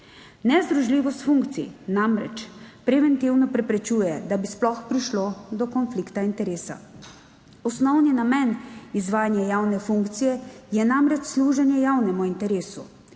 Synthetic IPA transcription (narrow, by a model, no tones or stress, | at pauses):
nɛzd̪ɾuʒliːʋɔst̪fuŋkt̪sḭnamɾɛ̰t͡ʃpɾɛʋɛnt̪iwnɔpɾɛpɾɛt͡ʃuːjɛd̪abisplɔxpɾiʃlod̪ɔkɔnflikt̪aint̪ɛɾeːsa̰ | ɔsnɔwninamɛnizʋaːjanjajawnɛfuŋkt̪sijɛjɛnamɾɛt͡ʃsluːʒanjɛjawnɛmuint̪ɛɾeːsu